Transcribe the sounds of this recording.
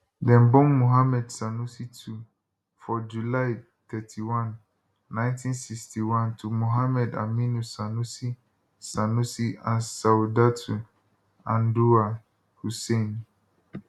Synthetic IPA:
dɛ̃nbɔ̃ŋmõɦamɛdsanũsitʰu | fɔd͡ʒulaj | t̪ʰɛtʰiwãnː | ãɪ̃ntʰĩnsikstʰiwãntʰumoɦamɛda̰mĩnũsanũsi | sanũsiʔãnsaudatʰu | ãndua | husẽn

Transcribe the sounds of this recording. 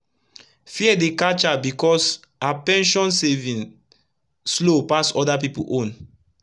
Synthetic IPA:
fiɛdekat͡ʃabikɔs | apɛ̃nʃɔ̃nsevĩn | slopasɔdapipṵʔõn

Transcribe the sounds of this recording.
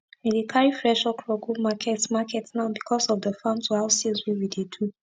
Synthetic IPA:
militʰaɹifɹɛʃɔkʰɹɔɡumakʰɛtmakʰɛtnaʊbikʰɔsɔfdəfãnsʰɔaʊsiswiwidedʰu

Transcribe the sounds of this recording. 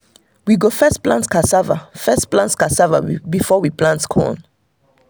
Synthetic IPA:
wiɡofɛstplãntkʰasava̰fɛsplãntkasava̰bifɔwiplãntkʰɔ̰̃n

